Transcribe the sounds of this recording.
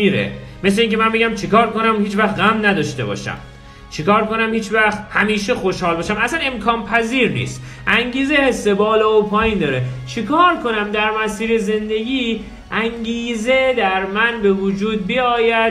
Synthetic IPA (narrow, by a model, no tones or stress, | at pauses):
iːɾḛ | me̞sleiːŋcʲʰemænbeɟæmt͡ʃʰekʰɒːɾko̞næmhiːt͡ʃvæxt̪ɣæmnæd̪ɒːʃt̪e̞bɒ̰ːʃæ̰m | t͡ʃʰekɒːɾko̞næmhiːt͡ʃvæxt̪hæmiːʃexo̞ʃhɒːlbɒːʃæmæsæne̞mkʰɒːnpʰæziːɾnḭːst̪ | ʔæŋɟiːzehesːebɒːlɒːopʰɒːjiːnd̪ɒːɾet͡ʃʰikʰɒːɾkʰo̞næmd̪æɾmæsiːɾeze̞nd̪e̞ɟʲiː | ʔæŋɟiːze̞d̪æɾmænbe̞vod͡ʒuːd̪̚bijɒːjæd̪̚